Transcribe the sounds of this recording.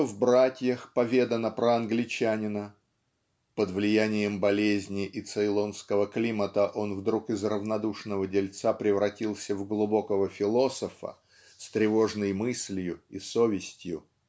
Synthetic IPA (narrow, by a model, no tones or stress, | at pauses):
vbɾatʲjəxpɐvʲe̞d̪ənəpɾəɐnɡlʲɪt͡ɕænʲɪnə | pəd̪vlʲɪjænʲɪjəmbɐlʲezʲnʲɪʔɪt̪sɨɪlˠo̞nskəvəklʲimət̪əʔo̞nvd̪ɾukɪzrəvnɐd̪uʂnəvədʲɪlʲt̪sapɾʲɪvɾɐtʲilˠsʲəvɡlˠʊbo̞kəvəfʲɪlˠo̞səfə̰ | st̪ɾʲɪvo̞ʐnəjmɨsʲlʲjʊiso̞vʲɪsʲtʲjʊ